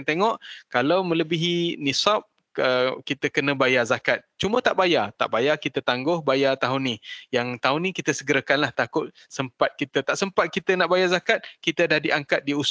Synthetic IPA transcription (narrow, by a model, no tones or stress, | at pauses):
ŋt̪eŋɔʔkalawmə̃ləbiɦinisap̚ | əkit̪əkənə̃bajazakat̪̚t͡ʃumə̃t̪aʔbajat̪a̰ʔbajakit̪ət̪aŋɡʊhbajat̪aɦʊnːijaŋt̪aɦʊnikit̪əsəɡəɾəkanlaht̪akʊt̪̚ | səmpat̪̚kit̪ət̪aʔsəmpat̪̚kit̪ənaʔbajazakat̪̚kit̪ədahdiʔaŋkat̪̚dius